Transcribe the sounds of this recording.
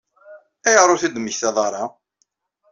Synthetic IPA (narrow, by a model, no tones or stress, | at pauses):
æjʁɾˤʊθid̪məçθæðˤɑɾˤɑ